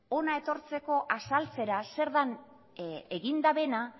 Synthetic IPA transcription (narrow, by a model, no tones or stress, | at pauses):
o̞nae̞t̪o̞ɾt͡se̞ko̞ʔasalt͡se̞ɾase̞ɾðan | eɣind̪aβe̞na